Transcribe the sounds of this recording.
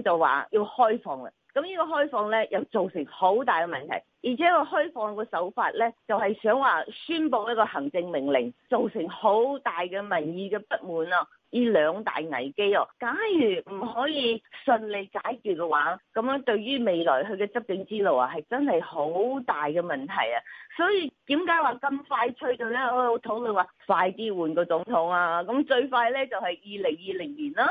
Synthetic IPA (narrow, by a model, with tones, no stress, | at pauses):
t͡sɐ˨˩wwa̰ː˨jiː˧whɔː˥jfɔː˧ŋɐ̰˧˨kɐ˨˦mjiː˥kɔː˧ɦɔː˥jfɔː˧ŋlɛː˥jɐ˨wt͡so˨wsɪ˨˩ŋho˨˥wt̪aː˨jkɛː˧mɐ˨nt̪ʰɐ̰˨˩jjiː˨˩t͡sʰɛː˨˦˥kɔː˧ɦɔː˥jfɔː˧ŋkɔː˧sɐ˨˥wfaː˧t̚lɛː˥t͡sɐ˨whɐ˨jsœː˨˥ŋwaː˨syː˥npo˨˧wjɐ˥kɔː˧hɐ˨˩ŋt͡sɪ˧ŋmɪ˨˩ŋlɪ˨˩ŋt͡so˨wsɪ˨˩ŋho˨˥wt̪aː˨jkɛː˧mɐ˨˩njiː˨˧kɛː˧pɐ˥t̚muː˨nɔː˧ | jiː˨˧lœː˨˧ŋt̪a̰ː˨jŋɐ̰˨˩jke˥ɔː˧kaː˨˥njyː˨˩m̩˨˩hɔː˨˥jiː˨˧sɵ˧nle˨˧jkaː˨˥jkyː˨t̚kɛ˧waː˨˥kɐ˨˥mː˧˥ŋt̪ɵ˧ɥɥyː˥me˨jlɔ̰ː˨˩jɦɵ˨˧ɥkɛː˧t͡sɐ˥p̚kɪ˨˧˥ŋt͡siː˥lo˨wɐ˨˧hɐ˨jt͡sɐ˥nhɐ˨jho˨˥wt̪aː˨jkɛː˧mɐ˨˩nt̪ʰɐ̰˨˩ja˧˩sɔː˨˥jiː˧t̪iː˨˥mkaː˨˥jwaː˨˩kɐ˧mfaː˧jt͡ʃʰɵ˧ɥt̪o˨˧ɥlɛː˥ɔ˧jo˧wt̪ʰo˨˥ŋlɵ˨˧nwaː˨faː˧jt̪iː˥wuː˨nkɔː˧t͡sʊ˨˥ŋt̪ʰʊ˨˥ŋaː˧kɐ˨˥mt͡ʃɵ˧ɥfaː˧jlɛː˥t͡sɐ˨whɐ˨jjiː˨˧lɪ˨˩ŋjiː˨˧lɪ˨˩ŋliː˨˩naː˥